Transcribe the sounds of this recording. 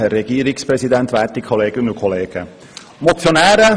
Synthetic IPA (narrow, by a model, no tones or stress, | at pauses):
hɛrːɛɡ̥iːəɾɪkspɾɛsid̪ɛnt̪ʋæːtikʰχoleːɡənənukʰoleːɡ̥ə | mot͡sjonæːɾə